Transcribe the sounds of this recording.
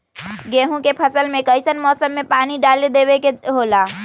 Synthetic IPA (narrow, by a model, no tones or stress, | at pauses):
ɡẽːɦũkepʰəsəlmẽkəɪsənmɔːsəmːẽpaːniɖaːled̪eːwekeɦoːlaː